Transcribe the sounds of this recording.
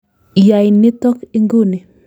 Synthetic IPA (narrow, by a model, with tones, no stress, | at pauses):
ja˨jɪ˨nɪ˦tɔ˦ke˦ŋɡo˦ni˨